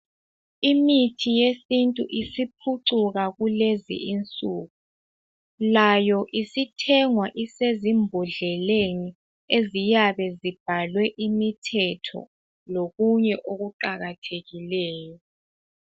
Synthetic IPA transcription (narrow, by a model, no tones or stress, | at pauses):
imitʰijesintʼṵʔisipʰuǀuɣaɣulezḭint͡sʼuːɣu | lajɔʔisitʰɛŋwaʔisezimbʱuɮɛleni | ezijaβɛzib̥ʱalwɛʔimitʰɛtʰɔ̰ | loɣuɲɛʔoɣuǃaɣatʰeɣilɛːjɔ